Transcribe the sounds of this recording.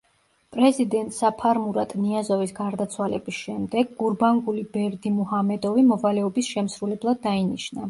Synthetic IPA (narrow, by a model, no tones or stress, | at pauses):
pʼɾɛzid̪ɛnt̪ʼsapʰaɾmuɾat̪ʼniazɔvisɡaɾd̪at̪sʰwalɛbisʃɛmd̪ɛɡːuɾbaŋɡulibɛɾd̪imuhamɛd̪ɔvimɔvalɛɔbisʃɛmsɾulɛblˠad̪ːainiʃna